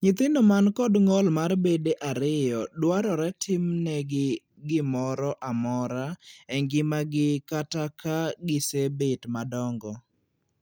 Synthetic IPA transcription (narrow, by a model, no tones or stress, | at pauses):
ɲɪt̪ɪndomankɔdŋɔlmarbedeʔaɾɪjɔdwaɾɔɾɛtʰɪmnɛɡɪ | ɡɪmɔɾɔʔamɔɾaɛŋɡɪmaɡɪkatakaɡɪsebetmadɔŋɡɔ